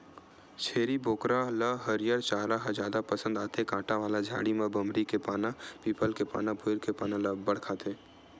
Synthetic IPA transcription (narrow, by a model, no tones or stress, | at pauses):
t͡ʃʰeːɾiboːkɾaləɦəɾijəɾt͡ʃaːɾaɦəd͡ʒaːd̪apəsə̃nd̪aːt̪ekãːʈaʋaːlad͡ʒʱa̰ːɽimẽbəmɾikepaːnapiːpəlkepa̰ːnabʱoɪɾkepaːnãləbəɽ̤kʰaːt̪ẽː